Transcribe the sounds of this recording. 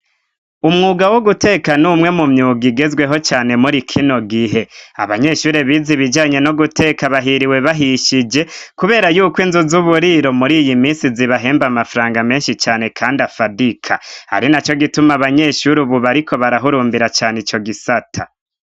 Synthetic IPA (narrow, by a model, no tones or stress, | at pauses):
umŋuːɡawo̞ɡute̞ːkanumŋe̞mumɲuːɡiɡe̞zwe̞ɦo̞t͡ʃaːne̞muɾikʰino̞ɡiɦe̞a̰βaɲe̞ːʃuːɾeβiziβid͡ʒaːɲe̞no̞ɡutʰe̞ːkaβaɦiɾiwe̞βaɦiʃid͡ʒe̞kuβe̞ːɾajuːkwinzuzuβuɾiɾo̞muɾiːjimiːnsiziβaɦe̞ːmbamafɾaːŋɡame̞ːnʃit͡ʃaːne̞kʰaːndafadikʰaha̰ɾinat͡ʃo̞ɡitumaβaɲe̞ʃuɾuβuβaɾikʰo̞βaɾaɦuɾuːmbiɾat͡ʃaːnit͡ʃo̞ɡisatʰa